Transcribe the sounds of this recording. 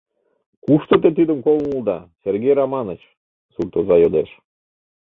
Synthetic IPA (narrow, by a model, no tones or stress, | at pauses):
kuʃt̪ot̪et̪id̪əmkolˠmulˠd̪ɑsʲerɡejrɑmɑnət͡ɕ | surt̪ozɑjod̪eʃ